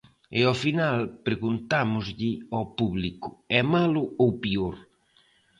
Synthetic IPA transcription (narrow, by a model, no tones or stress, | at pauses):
ɪɔfinalpɾeɣunt̪amʊzʎɪɔpuβlikʊɛmalʊowpioɾ